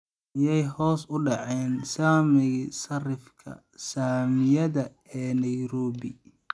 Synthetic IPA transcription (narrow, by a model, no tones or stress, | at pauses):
ɪjɛjhɔːsʊɖɑʕɛːnsaːmɪɣɪsɐrɪfkʰɐ̰ | saːmɪjɐðɐ | ɛːnɐjɾɔːβɪ